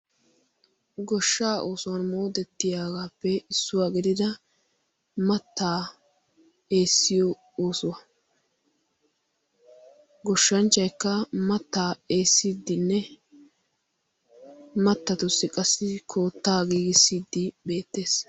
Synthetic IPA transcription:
ɡɔʃːaːʔoːsʊwɐnmoːd̪ɛt̪ːɪjaːɡaːpːɛɪsːʊwaːɡɪd̪ɪd̪ɐ | mɐt̪ːaː | e̞ːsːɪjɔ | oːsʊwɐ | ɡɔʃːɐnt͡ʃːɐjkːɐmɐt̪ːaːe̞ːsːiːd̪ːɪnːɛ | mɐt̪ːɐt̪ʊsːɪkʼɐsːɪkʰo̞ːt̪ːaːɡiːɡɪsːiːd̪ːɪbe̞ːt̪ːe̞ːs

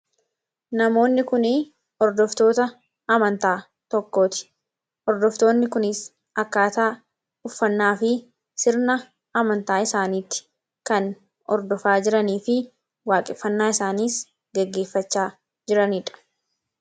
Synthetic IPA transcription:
nɐmo̞ːnːɪkʊnɪ | ɔɾd̪ɔft̪o̞ːt̪ɐ | ɐmɐnt̪aː | t̪ɔkːo̞ːt̪ɪ̥ | ʔɔɾd̪ɔft̪o̞ːnːɪkʊnɪs | ɐkːaːt̪aː | ʊfːɐnːaːfɪ | sɪɾnɐ | ɐmɐnt̪aːɪsaːniːt̪ːɪ̥ | kɐn | ɔɾd̪ɔfaːd͡ʒɪɾɐniːfɪ | waːkʼɪfːɐnːaːɪsaːniːs | ɡɛɡːe̞ːfːɐt͡ʃːaː | d͡ʒɪɾɐniːᶑɐ̥

